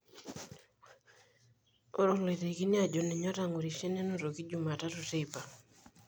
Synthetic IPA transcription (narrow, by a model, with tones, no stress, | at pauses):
ɔ˦ɾɔ˨le˨te˨ki˦nja˦d͡ʒo˨nɛ˨ɲɔ˦ta˨ŋo˨ɾi˨ʃe˦ne˦no˦ɾo˨ki˦d͡ʒu˨ma˨ta˦tu˨te˦ipa˨